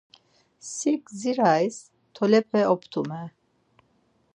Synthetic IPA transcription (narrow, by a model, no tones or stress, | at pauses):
sikziɾajs | t̪ʰɔlɛpʰɛɔpʰt̪ʰumɛ